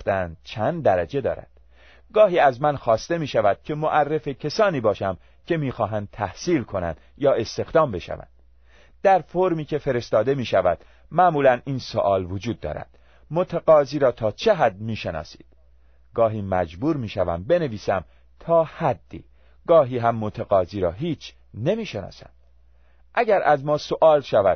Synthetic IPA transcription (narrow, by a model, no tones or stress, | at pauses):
t̪ænd̪̥̚t͡ʃʰænd̪d̪æɾæd͡ʒe̞d̪ɒ̰ːɾæ̰d̪̥ | ɡɒːɦiːæzmænxɒːst̪e̞miːʃævæd̪̥̚cʲʰe̞moʔærːe̞fecʰesɒːniːbɒːʃæm | cʰe̞miːxɒːɦænd̪̚t̪ʰæhsiːlkʰo̞næ̰nd̪ | jɒːe̞st̪e̞xd̪ɒːmbe̞ʃæ̰væ̰nd̪̥ | d̪æɾfoɾmiːcʰe̞fe̞ɾe̞st̪ɒːd̪e̞miːʃævæd̪̥ | mæʔmuːlæniːnso̰ʔɒːlvod͡ʒuːd̪ːɒ̰ːɾæ̰d̪̥ | mot̪ʰæɣɒːziːɾɒːt̪ʰɒːt͡ʃʰe̞ɦæd̪miːʃe̞nɒ̰ːsiːd̪̥ | ɡ̥ɒːɦiːmæd͡ʒbuːɾmiːʃævæ̰mbe̞ne̞viːsæm | t̪ʰɒːhæd̪ːḭː | ɡ̥ɒːɦiːɦæmːot̪ʰæɣɒːziːɾɒːɦiːt͡ʃʰ | ne̞miːʃenɒ̰ːsæ̰nd̪ | ʔæɟæɾʔæzmɒːsoʔɒːlʃævæd̪̥